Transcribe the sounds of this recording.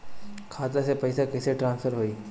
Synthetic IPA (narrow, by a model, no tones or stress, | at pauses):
kʰat̪asepəjsekəjseʈɾãnsfəɾɦoiː